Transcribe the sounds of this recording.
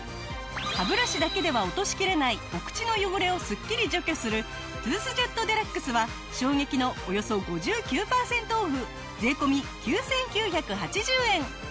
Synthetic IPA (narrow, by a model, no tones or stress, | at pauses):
habɯ̟ɾaɕid̪ake̞d̪e̞βao̞t̪o̞ɕi̥kʲiɾe̞naio̞kɯ̟̥t͡ɕino̞joɡoɾe̞o̞sɨkʲːiɾʲiʑo̞kʲo̞sɨɾɯ̟ | t͡sɨːsɨʑe̞t̪ːo̞d̪e̞ɾakːɯ̟sɨβa | ɕo̞ːŋe̞kʲino̞ojo̞so̞ɡo̞ʑɨːkʲɨːpaːsẽ̞nt̪oːɸɯ̟ | ze̞ːko̞mʲikʲɨːsẽ̞ŋkʲɨːçakɯ̟ɦat͡ɕiʑɨːẽ̞ŋ